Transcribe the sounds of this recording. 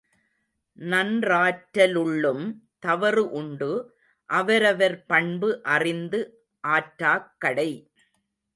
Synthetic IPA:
nɐnraːʈːɐlɯɭːɯmt̪ɐʋɐrɯʔʊɳɖɯ | ʔɐʋɐɾɐʋɐɾpɐɳbɯʔɐrɪnd̪ɯ | ʔaːʈɾaːkːɐɽɐɪ

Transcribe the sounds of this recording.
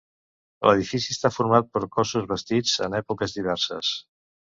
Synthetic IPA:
ələðifisiəst̪afuɾmat̪̚pəɾkɔsuzβəst̪id͡zənɛpukəzðiβɛɾsə̰s

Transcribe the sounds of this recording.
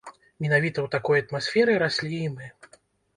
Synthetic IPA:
mʲinavʲit̪ɐwt̪akɔjɐt̪masʲfʲɛɾɨɾasʲlʲimɨ

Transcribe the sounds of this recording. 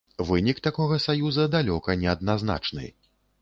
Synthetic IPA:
vɨnʲikt̪akɔɣɐsajuzɐd̪alʲɔkɐnʲɛɐd̪nazna̰t͡ʂnɨ̰

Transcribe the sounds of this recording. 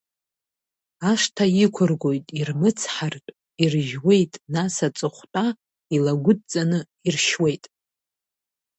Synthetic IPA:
aʂtʰaikʷʰʊrɡʷo̞jtʼirmɨt͡sʰħarpʼ | irʒwe̞jtʼnasat͡sʼɨχʷtʼa | ilaɡʷʊdt͡sʼanɨ | irʃwe̞jtʼ

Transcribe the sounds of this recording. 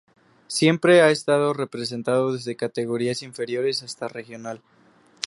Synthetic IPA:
sje̞mpɾe̞ae̞st̪að̞o̞re̞pɾe̞s̬e̞nt̪að̞o̞ðe̞zðe̞kat̪e̞ɣ̞o̞ɾiasiɱfe̞ɾjo̞ɾe̞sast̪are̞xjo̞nal

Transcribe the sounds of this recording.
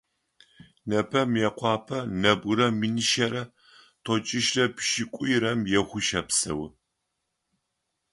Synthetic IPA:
nɐpʰɐmjɛqʷʰɑːpʰɐnɐbʷʊɾɐminɨʃɐɾɐ | tʰot͡ʃʼɪʃrɐpʃɪkʷʼʊjɾɐmjɛxʷʊʃɐpsɐ̰w̰

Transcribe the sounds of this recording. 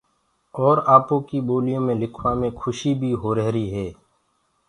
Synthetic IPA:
ɔːɾaːpõːkiboːlijõːmẽːlɪkʰwaːmẽkʰʊʃibʱiːɦoːɾɛɦːɾiɦɛː

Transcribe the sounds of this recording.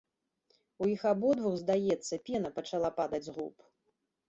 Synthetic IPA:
ujixabɔd̪vuɣzd̪ajɛt̪sːɐpʲɛnɐpɐt͡ʂalˠapad̪ɐd͡zʲɣṵp

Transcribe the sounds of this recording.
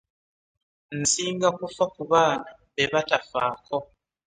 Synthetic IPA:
n̩siːŋɡakufakuβaːna | βeβatafaːko

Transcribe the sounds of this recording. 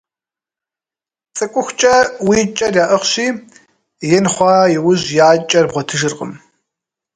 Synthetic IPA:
t͡sʼɐkʷʼʊxʷt͡ʃʼɐwiːt͡ʃʼɐrjaːʔɐχɕiː | jɛnχʷɑːjɛwʊʑjaːt͡ʃʼɐrbʁʷɔtʰɨʒɨrqʼə̰m

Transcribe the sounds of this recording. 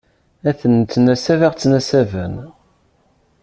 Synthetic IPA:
æθənt̪ːnæsævæʁt͡sːnæsævæn

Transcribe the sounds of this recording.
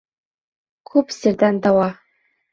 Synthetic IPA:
kʷʰupʰzʲerd̪andawa

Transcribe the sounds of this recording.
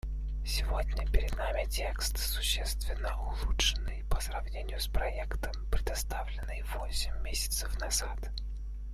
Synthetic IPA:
sʲɪvodʲnʲəpʲɪɾʲɪd̪namʲɪtʲekst̪ɨsʊɕːest̪vʲɪnːəʔʊlˠuʂɨnːɨjpəsɾɐvnʲenʲɪjʊspɾɐɛkt̪əmpɾʲɪd̪ɐst̪avlʲɪnːɨjvosʲɪmʲːesʲɪ̥t̪səfnɐzat̪

